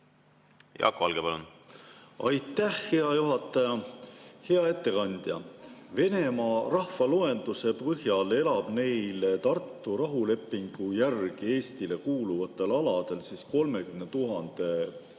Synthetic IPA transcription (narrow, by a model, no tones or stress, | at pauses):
jɑ̰kːoɑ̰lɡepɑlṵn | ɑjt̪ːˑæhhe̞ɑjuɦɑt̪ːˑɑjɑhe̞ɑe̞t̪ːe̞kɑnʲd̪̥jɑ̰ve̞ne̞mɑrɑhfɑloe̞nd̪̥use̞pɤɦjɑle̞lɑb̥ne̞jlt̪ɑrt̪ːuɾɑɦule̞pːˑiŋɡ̥ujærɡ̥ie̞ːst̪ile̞kuːluvɑt̪ːˑe̞lɑlɑd̪̥e̞lsisko̞lme̞kymnet̪uɦɑnd̪̥e̞